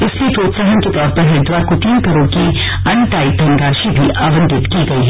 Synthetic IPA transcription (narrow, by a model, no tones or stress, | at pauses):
ɪsliepɾoːt̪saːɦənket̪ɔːɾpɐɾɦɛd̪waːɾkot̪iːnkɐɾoːɽki | ɐ̃ɳʈaːid̪ʱɐ̃ŋɡaːʃibʱiʔaːʋə̃nd̪ʱɪt̪kiɡɐiɦɛ